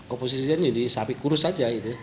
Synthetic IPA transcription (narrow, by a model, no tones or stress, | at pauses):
kɔpos̬isiand͡ʒadisapikuɾʊsad͡ʒait̪u